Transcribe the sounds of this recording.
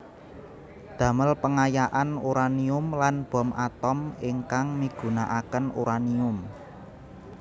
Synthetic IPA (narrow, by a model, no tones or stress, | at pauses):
d̪̥ä̤məlpəŋajaʔanuɾaniʊmlanb̥ɔ̤mat̪ɔmiŋkaŋmiɡ̥ṳnaʔakənuɾaniʊm